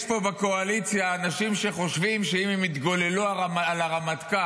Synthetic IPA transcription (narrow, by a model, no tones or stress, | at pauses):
pobako̞alit͡sjaːnaʃimʃe̞χo̞ʃvimʃeimemit̪ɡo̞leluaaaalaʁamat̪ka